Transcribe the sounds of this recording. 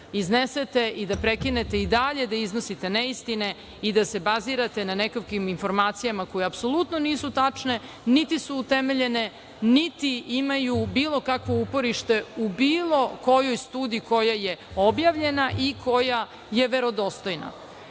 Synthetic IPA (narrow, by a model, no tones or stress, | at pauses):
izneset̪e̞id̪apɾekine̞t̪e̞id̪aʎe̞d̪aiznosit̪e̞neist̪ine | id̪ase̞baziɾat̪e̞nanekokiminfo̞ɾmaːt̪sijamako̞jeapso̞lˠut̪noniːsut̪at͡ʂne̞ | nit̪isuːt̪emeʎe̞ne̞ | nit̪iimajubiːlˠo̞kakʋo̞upo̞ɾiʃt̪e̞ubiːlˠo̞ko̞jojst̪uːd̪iiko̞jajeo̞bjaʋʎe̞naʔikʰo̞ja | je̞ʋe̞ɾo̞d̪o̞st̪o̞jna̰